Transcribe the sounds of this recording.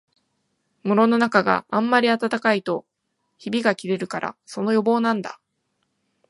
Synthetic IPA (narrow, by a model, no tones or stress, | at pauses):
mɯɾo̞no̞nakaɡa̰ãmːaɾʲiat̪at̪akait̪o̞ | çibʲiɡakʲiɾe̞ɾɯ̟kaɾʔa̰so̞no̞jo̞bo̞ːnãnd̪a̰